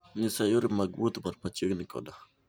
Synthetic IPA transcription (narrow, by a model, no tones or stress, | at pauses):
ɲɪsajoɾɪmaɡwot̪barpat͡ʃəɡnɪkɔ̰da